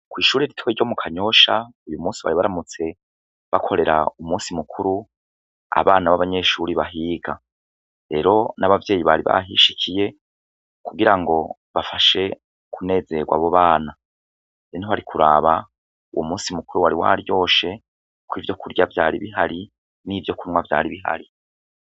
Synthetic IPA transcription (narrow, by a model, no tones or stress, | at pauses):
kwiːʃuːɾeɾitweɟo̞mukʰaɲo̞ʃaujumuːnsiβa̰ɾiβaɾamut͡se̞ | βakʰo̞ɾe̞ɾa̰umuːnsimukʰuɾu | a̰βaːnaβaβaɲe̞ʃuɾiβaɦiːɡa | ɾe̞ːɾo̞naβavje̞ːjiβaɾiβa̰ɦiʃikʰije̞ | kuɡiɾaŋɡo̞ | βafaʃe̞ | kune̞ːze̞ɡwa̰βo̞βaːna | eniaɾikʰuɾaːβa | ṵwomuːnsimukuɾuwaɾiwa̰ɾjo̞ːʃe̞ | kwiːvjo̞kuɾɟavjaːɾiβiɦaɾi | niːvjo̞kunŋwavja̰ːɾiβiɦa̰ɾi